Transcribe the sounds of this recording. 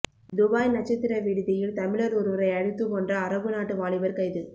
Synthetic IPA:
d̪ʊbaːjnɐt͡ʃːɐt̪ːɪɾɐʋiɽɯðɪjɪlt̪ɐmɪɭɐɾɔɾɯʋɐɾɐɪɐɽɯt̪ːɯpoːndrɐːɾɐʋɯnaːʈːɯʋaːɭɪʋɐɾkɐɪðɯ

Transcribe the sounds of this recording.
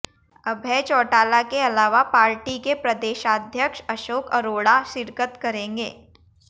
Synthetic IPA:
ɐbʱɛːt͡ʃɔːʈaːlakeɐlaːʋapaːɾʈikepɾɐd̪eːʃaːd̪ʱjəkʃɐʃoːkəɾoːɽaʃɪɾkət̪kɐɾẽːŋɡeː

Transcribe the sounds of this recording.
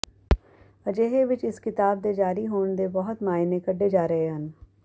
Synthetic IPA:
ɐd͡ʒeːɦeʋɪt͡ʃɪskɪt̪aːb̚d̪ed͡ʒaːɾiɦoːnd̪ebɐɦʊt̪maːɪnẽkɐɖːed͡ʒaːɾɐɦeɦən

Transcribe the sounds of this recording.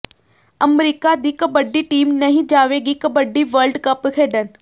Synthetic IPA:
ɐmɾikad̪ikəbɐɖːiʈiːmnɐɦĩd͡ʒaːʋeɡikəbəɖːiʋəɾɖkɐpkʰeːɖən

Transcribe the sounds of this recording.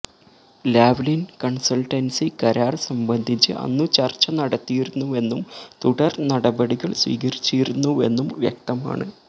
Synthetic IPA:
laːʋlinkɐɳsɐlʈɐnsikɐɾaːrsɐmbɐnd̪ʱit͡ɕːɨ̰ʔɐ̰nːɨt͡ɕɐrt͡ɕːɐnɐɽɐt̪ːijiɾunːue̞nːumt̪uɽɐrnɐɽɐbɐɽiɣɐɭsʋḭːɣɐɾit͡ɕːijiɾunːue̞nːumʋjḛk̚t̪ɐma̰ːɳɨ

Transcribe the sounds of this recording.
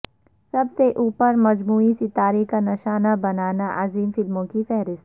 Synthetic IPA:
sɐbseʔuːpəɾmɐd͡ʒmuːisɪt̪aːɾekanɐʃaːnabɐnaːnaʔaziːmfɪlmõkifɛɦɾɪst̪

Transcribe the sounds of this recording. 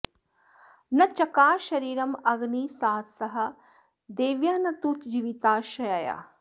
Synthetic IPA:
nɐt͡ʃɐkaːʃɐɾiːɾɐmɐɡniːsaːt̪sɐɦɐ̆ | d̪eːʋjaːnɐt̪uːt͡ʃd͡ʒiːʋit̪aːʃɐjaja̰ː

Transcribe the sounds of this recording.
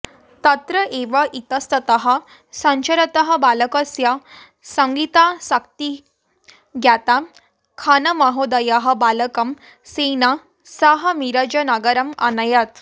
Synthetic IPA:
t̪ɐt̪ɾəʔeʋaʔit̪əst̪ət̪əɦɐ | sə̃ɲt͡ɕəɾət̪əɦəbaləkəsja | səŋɡit̪asakt̪i | ɡʱjat̪a | kʰanɐmɐɦod̪ajaɦɐbaləkɐm | sena | saɦɐmiɾad͡ʑənaɡəɾɐma̰najat̪

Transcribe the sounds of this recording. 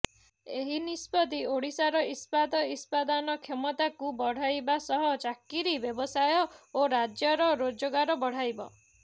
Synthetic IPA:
eɦinispɔd̪ioɽ̤isaɾɔispad̪ɔispad̪anɔkʰemɔt̪akubɔɽ̤ajbasɔɦɔt͡ʃakːiɾibjɔbɔsajɔoɾad͡ʒjɔɾɔɾod͡ʒɔɡaɾɔbɔɽ̤ajbɔ

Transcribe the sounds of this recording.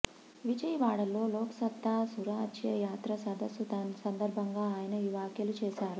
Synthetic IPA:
ʋid͡ʒɐjʋaːɽɐlːo̞ːloːkɐ̥sɐt̪ːaːsuɾaːɐd͡ʒjɐjaːt̪ɾɐsɐd̪ɐsːut̪ɐnsɐnd̪ɐɾbʱɐŋɡaːaːjɐnɐiːʋaːkjɐlut͡ʃɛːʃaːɾu

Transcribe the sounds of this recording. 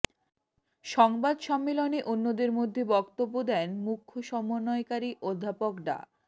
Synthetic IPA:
ʃɔŋbad̪ʃɔmːeloneʔunːod̪eɾmod̪ʱːebɔkt̪obːod̪ɛnmukʰːoʃɔmonːɔekaɾiʔod̪ʱːapokɖa̰

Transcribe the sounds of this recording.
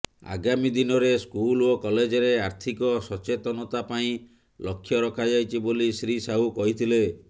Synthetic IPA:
a̰ɡamid̪inɔɾeskulokɔled͡ʒɔɾeaɾt̪ʰikɔsɔt͡ʃet̪ɔnɔt̪apaĩ | lɔkʰːjɔɾɔkʰad͡ʒajt͡ʃʰibolisɾisaɦukɔɦit̪ʰile

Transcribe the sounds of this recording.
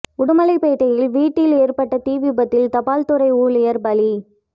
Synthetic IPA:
ʊɽʊmɐlɐɪpɐɪt̪ːɐjɪlʋiːʈːɪleːɾpɐʈːɐt̪iːʋɪbɐt̪ːɪlt̪ɐpaːlt̪ʊɾɐɪuːlɪjɐɾbɐli

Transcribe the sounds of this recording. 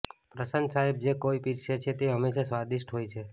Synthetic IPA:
pɾəsənsaeb̚d͡ʒekoipiɾʃet͡ʃʰet̪eɦəmːeʃasʋad̪iʃʈɦojt͡ʃʰe

